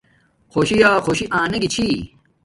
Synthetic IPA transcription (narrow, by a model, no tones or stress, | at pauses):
xoːɕijaːxoːɕiʔãːnɐɡit͡ɕʰi